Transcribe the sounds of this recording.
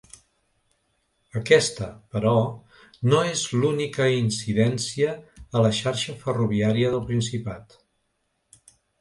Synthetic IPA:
əkɛst̪əpəɾɔ | noezlunikəinsiðɛnsiəːləʃaɾʃəfəruβ̞iaɾiəðəlˠpɾinsipat̪

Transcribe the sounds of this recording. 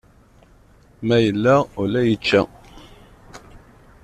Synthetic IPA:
mæjəlːæʁʊlæjit͡ʃːæ̰

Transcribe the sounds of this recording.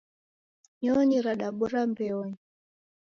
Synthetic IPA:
ɲɔɲiɾaɗaɓɔɾambɛɔɲi

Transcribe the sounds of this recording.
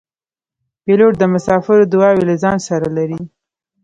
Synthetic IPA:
peloʈ̚d̪əmʊsɑfɪɾod̪ʊɑwelazɑnsaɾalaɾi

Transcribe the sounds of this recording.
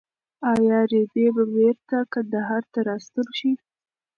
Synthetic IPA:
ɑjɑɾed̪ebabeɾt̪akand̪aɦɑɾt̪aɾɑst̪əlʃi

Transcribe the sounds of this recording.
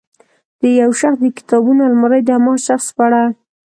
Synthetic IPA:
d̪̥əjawʃaxsd̪əkɪ̥t̪ɑbunalmaɾajd̪əamɑʃaxspaɽa

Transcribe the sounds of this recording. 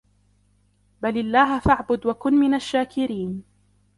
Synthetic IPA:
balɪlːaːɦafaʕbʊd̪wakʊnmɪnaʃːaːkɪɾiːn

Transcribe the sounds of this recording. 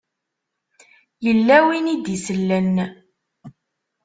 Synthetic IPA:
jəlːæwinid̪isəlːənː

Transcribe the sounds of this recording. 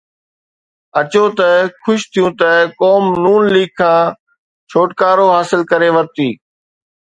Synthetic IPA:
ɐt͡ɕot̪ɐkʰʊʃt̪ʰijũt̪ɐkɔːmnuːnliːɡ̚kʰãː | t͡ɕʰoːʈkaːɾoɦaːsɪlkɐɾeʋɐɾt̪iː

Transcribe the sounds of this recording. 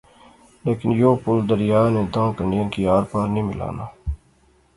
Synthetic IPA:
leːkɪnjoːpʊld̪əɾɪjaːnẽːd̪ãːkəɳiənkiaːɾpəɾnĩːmɪla̰ːnaː

